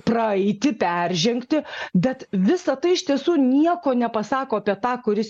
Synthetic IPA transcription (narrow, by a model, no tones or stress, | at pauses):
prɐɐɪt̪ʲɪpʲærʲʒʲɛŋkt̪ʲɪbʲɛt̪ʋʲɪsɐt̪ɐɪɪʃt̪ʲiɛsuːnʲiɛkoːnʲɛpɐsɑːkoːɐpʲiɛt̪ɑːkʊɾʲɪs